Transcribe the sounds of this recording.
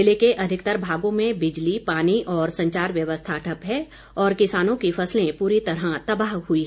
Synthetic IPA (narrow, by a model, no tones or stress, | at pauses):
lekeʔɐd̪ʱɪkt̪əɾbʱaːɡõmẽbɪd͡ʒlipaːniʔɔːɾsɐ̃ɲt͡ʃaːɾʋjɐʋəst̪ʰaʈʰɐpɦɛ | ɔːɾkɪsaːnõkifʰɐslẽpuːɾit̪ɐɾat̪ɐbaːɦɦuiɦ